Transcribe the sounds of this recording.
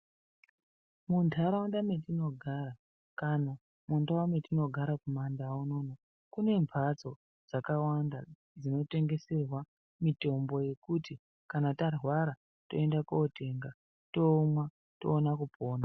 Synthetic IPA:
muntʰaɾawandame̞tino̞ɡʱaɾa | kana | mundawametino̞ɡʱaɾakumandauno̞ːno | kune̞mpʰat͡so̞ | d͡zakawanda | d͡zino̞te̞ŋɡe̞se̞rwa | mito̞mbo̞je̞kuti | kanatarwaɾa | to̞̰e̞ndakoote̞ŋɡa | to̞mwa | toːnakupʰo̞ːna

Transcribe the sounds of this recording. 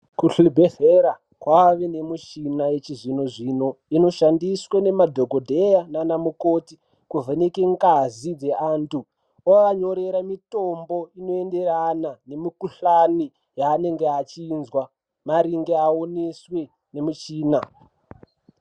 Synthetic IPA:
kuɬibʱeheɾa | kwaʋene̞mut͡ʃinajet͡ʃiʐinoʐino̞ino̞ʃandiswene̞madʱoɡʱodʱejananamukoti | kuvʱenekeŋɡazid͡ze̞ʔantʰu | okaɲo̞ɾe̞ɾamitombo̞ino̞e̞nde̞ɾanane̞mikuɬani | jaːne̞ŋɡeat͡ʃiːnzwa | maɾiŋɡe̞ao̞neswe̞ | ne̞mut͡ʃiːna

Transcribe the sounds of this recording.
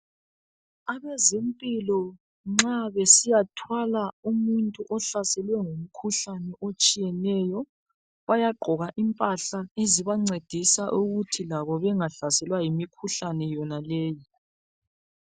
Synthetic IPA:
aβɛzempʼilɔ | ŋ͡ǁaβesijatʰwalaumuntʼuʔɔɬasɛlwɛŋom̩kʰuɬanɛʔot͡ʃʼijɛnɛjɔ | βajaɡ͡ǃʱɔɣaʔimpʼaɬaeziβaŋ͡ǀed̥ʱisaʔuɣutʰilaβɔβɛŋaɬasɛlwajimikʰuɬanɛjɔnalɛːji

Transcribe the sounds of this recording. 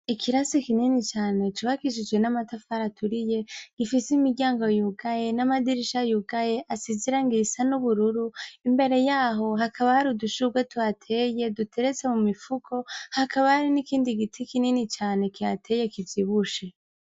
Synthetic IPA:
ikʰiɾasikininit͡ʃaːne̞t͡ʃuβakiʃ̬id͡ʒɡwe̞namatafaɾatʰuɾije̞ɡ̥ifisimiɟaːŋɡo̞juɡaje̞namadiɾiʃajuɡaje̞ʔasiziɾaŋɡisanuβuɾuɾuimbe̞ɾe̞jaːɦo̞ɦakʰaβahaɾiduʃuɡwetuatʰeje̞dutʰe̞ɾet͡se̞mumifukʰo̞hakʰaβahaɾinikiːndiɡitʰikininit͡ʃaːne̞kiatʰe̞je̞kivjiβuʃe

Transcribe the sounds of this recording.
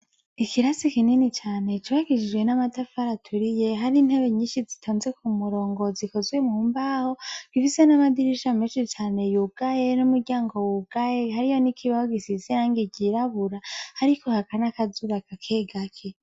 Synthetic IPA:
ikʰiɾasikininit͡ʃaːne̞t͡ʃuβaɡid͡ʒid͡ʒwe̞namatafaɾatʰuɾije̞ɦaɾin̥he̞βe̞ɲiːʃizitʰoːnze̞kʰumuɾo̞ːŋɡo̞ziko̞zwimuːmbaho̞ɡ̥ifise̞namadiɾiʃameːnʃit͡ʃaːne̞juɡ̥aje̞numuɾɟaːŋɡo̞wuɡ̥ajehaɾijo̞nikʰiβahoɡisiziɾaːŋɡiɟiɾaβuɾahaɾiko̞hakanakazuβakakʰe̞ːɡakʰe

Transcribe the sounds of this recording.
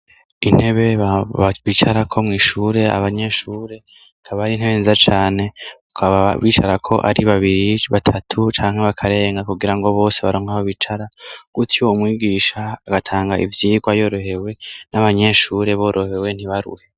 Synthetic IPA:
in̥he̞βe̞βit͡ʃaɾakʰo̞mŋiːʃuːɾe̞a̰βaɲe̞ʃuːɾe̞ | kʰaβaɾinheβenizat͡ʃaːne̞ukʰaβaβiːt͡ʃaɾakʰo̞ʔa̰ɾiβaβiɾiβatʰatʰut͡ʃaːŋ̥e̞βakʰaɾe̞ːŋɡakuɡiɾaŋɡo̞βo̞ːse̞βaɾoːŋɡahoβit͡ʃaɾaɡ̥utʰioumwiɡiːʃaːɡatʰaːŋɡaivjiːɡwajoːɾo̞he̞we̞naβaɲe̞ʃuːɾe̞βo̞ːɾʔo̞he̞we̞n̥hiβaɾṵhe

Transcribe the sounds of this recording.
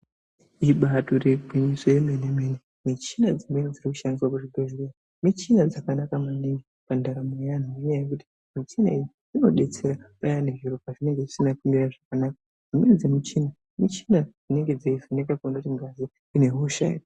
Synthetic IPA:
iɓatorebʱuɲisojemenemene | mit͡ʃinad͡zimenid͡zirikuʃandiswakuʐiɡʱoʒwira | mit͡ʃinad͡zakanakamaniŋɡi | pandaɾamejan̤ujoɲajekuti̥ | mit͡ʃina̰iji | ino̞̰ɗe̞t͡se̞ɾaɓajaneʒiɾopaʐine̞ŋɡeʐisinakumiraʐakanaka | d͡zimenid͡zimit͡ʃina | mit͡ʃinad͡zine̞ŋɡe̞d͡zeiʐinekakunotiŋɡazi | ine̞ɦuuʃa̰ɲo

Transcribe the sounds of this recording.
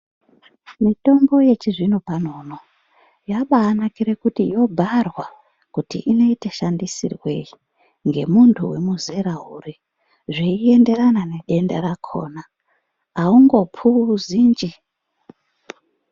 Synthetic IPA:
mito̞mbo̞je̞t͡ʃiʐinopan̤o̞no̞ | jaɓaːnakiɾekutijo̞bʱarwa | kutḭʔino̞iteʃandisḭrwe̞i | ŋɡe̞̰muntʰuwe̞muzeɾauri | ʐeie̞nde̞ɾanane̞ɗe̞ndaɾakʰo̞̰ːna | auŋɡo̞pʰuziːnd͡ʒi

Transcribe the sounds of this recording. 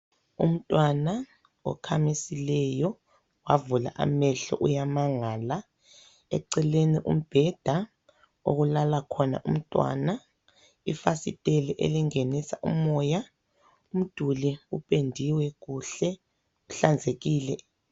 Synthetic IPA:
ṵm̩tʼwana | ɔ̰kʰamisilɛjɔ | wavula̰ʔa̰mɛɬɔ̰ʔujamaŋaːla | ɛ̰ǀɛleniʔṵm̩b̥ʱɛd̥ʱa | o̰ɣulalakʰɔna̰ʔum̩tʼwa̰na | ifasitʼɛliʔḛliŋenisaʔṵmɔja | um̩d̥ʱuliupʼendʱiwɛɣuɬɛ | uɬand͡zʱeɣiːlɛ

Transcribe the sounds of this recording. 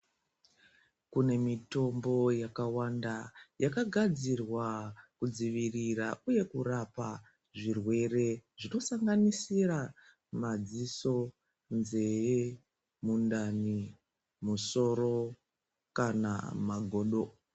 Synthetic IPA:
kune̞mito̞mbo̞jakawandajakaɡʱad͡zirwakud͡ziʋirirauje̞kurapa | ʐirwe̞re̞ʐino̞saŋɡanisira | mad͡ziso̞ | nze̞je | mundani | muso̞ro̞ | kana̰maɡʱo̞ːɗo̞

